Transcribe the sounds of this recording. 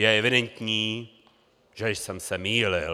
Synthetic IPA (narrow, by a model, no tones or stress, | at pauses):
jɛɛvɪdɛnt̪ɲiː | ʒɛsɛmsɛmiːlɪ